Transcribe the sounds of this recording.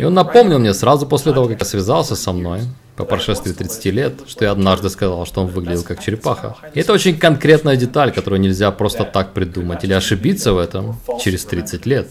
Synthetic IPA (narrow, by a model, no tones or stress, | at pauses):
ɪo̞nːɐpo̞mnʲɪlˠmnʲesɾazʊposʲlʲɪt̪ɐvo̞kɐkjasvʲɪzalˠsʲəsɐmno̞j | pəpɾɐʂɛst̪vʲɪːt̪ɾʲɪt̪sɨ̥tʲilʲe̞t̪ʂt̪ojaɐd̪naʐd̪ɨskɐzalˠʂt̪o̞o̞nvɨɡlʲɪdʲɪlˠkakt͡ɕɪɾʲɪpaxə̰ɪɛt̪əot͡ɕɪnʲkɐnkɾʲe̞t̪nəjədʲɪt̪alʲkɐt̪o̞ɾʊjnʲɪlʲzʲapɾo̞st̪ət̪ak̚pɾʲɪd̪umətʲilʲɪɐʂɨbʲit̪səvɛt̪əmt͡ɕɪɾʲɪst̪ɾʲit̪sɨtʲlʲe̞t̪̚